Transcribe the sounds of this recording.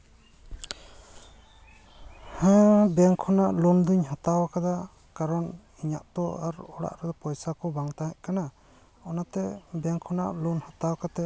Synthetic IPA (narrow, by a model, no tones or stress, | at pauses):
hɛ̃bɛŋkʰɔnaʔlund̪uɲhat̪awakad̪a | kaɾɔn | iɲa̰ʔt̪ɔaɾɔɽa̰ʔɾɛd̪ɔpɔjsakɔbaŋt̪aɦɛʔkana | ɔnat̪ɛbɛŋkʰɔna̰ʔlunhat̪awakat̪ɛ